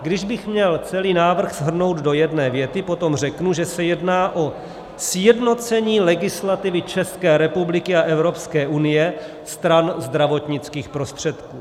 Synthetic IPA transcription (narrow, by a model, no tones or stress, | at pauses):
ɡdɪʒbɪxmɲɛlt͡sɛliːnaːvr̩xz̥ɦr̩no̞wd̪do̞jɛdnɛːvjɛt̪ɪpo̞t̪o̞mr̝ɛknuʒɛsɛjɛdnaːʔo̞ | sjɛdno̞t͡sɛɲiːlɛɡɪslat̪ɪvɪt͡ʃɛskɛːɾɛpublɪkɪaʔɛvɾo̞pskɛːʔunɪjɛ | st̪ɾanzd̪ɾavo̞t̪ɲɪt͡skiːxpɾo̞st̪r̝̥ɛt̪kuː